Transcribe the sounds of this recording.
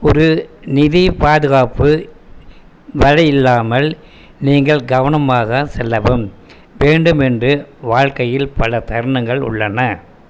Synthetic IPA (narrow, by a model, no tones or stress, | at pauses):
ɔɾɯnɪðipaːðɯɣaːpɯ | ʋɐɻɐjɪlːaːmɐl | niːŋɡɐɭɡɐʋɐnɐmaːɣɐsɛlːɐʋɯm | ʋeːɳɖɯmɛndrɯʋaːɻkɐjɪlpɐlɐt̪ɐɾɳɐŋɡɐɭʊ̰ɭːɐnɐ